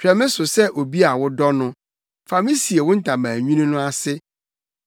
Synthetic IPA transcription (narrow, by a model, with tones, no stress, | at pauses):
t͡ɕʰᶣɛ˨mɪ̃˦sʊ˨sɛ˦ʔo˨bi˦a˨wʊ˦dɔ˦nʊ̃˦ | fa˨mĩ˦si˨e˨wʊ̃˦n̩˨tʰã˨mãː˨ɲᶣũ˦nĩ˦nʊ̃˦a˦sɪ˦